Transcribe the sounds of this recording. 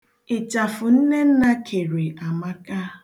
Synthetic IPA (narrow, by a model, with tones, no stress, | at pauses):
ɪ˨t͡ʃa˨fʊ˨n̩˦ne˦n̩˦na˦kʰe˨ɾe˨a˨ma˦ka˦